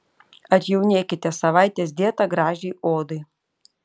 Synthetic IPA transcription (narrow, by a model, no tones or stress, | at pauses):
ɐt̪ʲjɛʊnʲeːkʲɪt̪ʲɛsɐʋɑɪt̪ʲeːs̬d̪ʲiɛt̪ɐɡɾɑːʒʲɛɪoːd̪ɐɪ